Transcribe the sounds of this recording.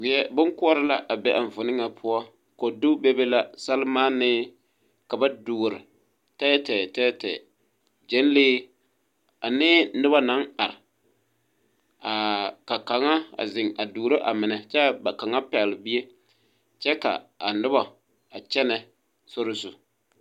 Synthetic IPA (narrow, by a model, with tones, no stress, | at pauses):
wɪ˨ɛ˦bʊ˦ŋkʊ˦ɔ˦ɾɪ˦la˦ʔa˨bɛ˦ʔa˨ɱ˨vʊ˨nɪ˦ŋa˨pʰʊ˦ɔ˦ | ko˨du˦be˦be˦la˦sa˦lɪ˦maː˦nɪ˦ | ka˨ba˦duː˨ɾɪ˨ | tɛː˦tɛ˨tɛː˦tɛ̰ː˨ | d͡ʒɛ˦n˦leː˦ | a˨nɪː˦nɪ˦ba˦na˨˦ŋa˨ɾɪ˨ | a˨ka˨ka˨ŋa˦a̰˨zɪ˨ŋa˨duː˨ɾo˦ʔa˨mɪ˨nɛ˨t͡ʃɛ˦˨ba˨ka˨ŋa˦pɛ˨lɪ˨bi˦e˦ | t͡ʃɛ˦ka̰˨a˨nɪ˦ba˨ | a˨t͡ʃɛ˦nɛ˨ | so˦ɾʊ˦sʊ˨